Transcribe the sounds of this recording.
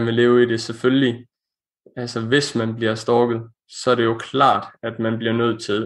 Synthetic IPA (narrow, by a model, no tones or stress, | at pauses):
nʋe̝le̝ːʊide̝sefølli | ælsəʋe̝smænb̥liɐsd̥ɒːɡ̥ð̩ˠ | sɒ̽æɐɾe̝jo̝kʰlɑ̰̈ːd̥æd̥mænb̥liɐnøð̞̰ˠt͡sʰe̝l